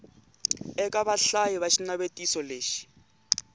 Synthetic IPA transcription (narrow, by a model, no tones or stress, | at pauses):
ɛkʼaβaɬajiβaʃinaβetʼisɔleːʃi̥